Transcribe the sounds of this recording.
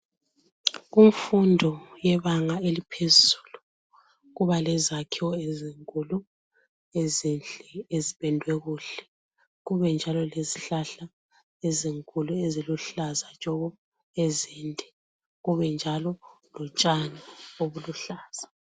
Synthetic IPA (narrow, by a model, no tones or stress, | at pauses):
uɱfundʱɔjɛβaŋaelipʰezu̥ːlu | ɣuβalɛzakʰiwɔeziŋkʼulu | ezind͡ɮʼɛeziβɛndʱwɛɣuːɬɛ | ɣuβɛnd͡ʒʱalɔleziɬaɬa | eziŋkʼulueziluɬazat͡ʃʼɔβɔ | eziːndʱɛ | ɣuβɛnd͡ʒʱalɔ | lɔt͡ʃʼanaoβuluɬaːz̥a